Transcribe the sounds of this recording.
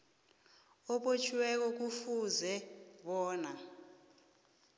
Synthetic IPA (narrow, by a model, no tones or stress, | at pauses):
ɔɓot͡ʃʰiwɛk̬ɔk̬ufuzɛɓɔːna